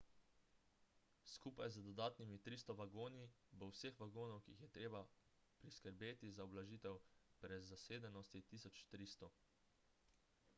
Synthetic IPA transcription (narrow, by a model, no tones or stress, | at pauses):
skuːpajzəd̪ɔd̪aːt̪nimit̪ɾiːst̪ɔʋaɡoːnibɔwsexʋaɡoːnɔwkḭixjɛt̪ɾeːba | pɾiskəɾbeːt̪izaɔblaʒiːt̪ɛwpɾɛzaseːd̪ɛnɔst̪it̪isɔt͡ʃt̪ɾiːst̪ɔ